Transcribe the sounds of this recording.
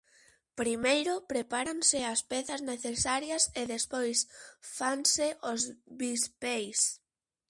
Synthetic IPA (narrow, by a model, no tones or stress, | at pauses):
pɾimejɾʊpɾepaɾaŋsɪaspɛθɐzneθesaɾjɐseðespojsfaŋsɪʔozβispejs